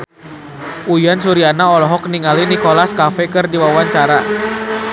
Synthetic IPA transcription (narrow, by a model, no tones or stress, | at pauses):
ʔujansuɾianaɔlɔɦɔk̚niŋalinikolaskafɛkɨrdiwawaɲt͡ʃaɾa